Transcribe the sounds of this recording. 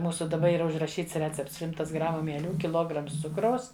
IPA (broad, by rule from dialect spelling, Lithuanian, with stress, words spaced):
ˈmuːsʊ dɐˈbɐ iːˈrɐ ʊʒrɐˈʃʲiːts ˈrʲæːt͡sʲɛpts ˈʃʲɪmtɐs ˈɡrɑːmʊ mʲiɛˈlʲuː kʲɪˈlˠoːɡrɐms ˈt͡sʊkrɐʊs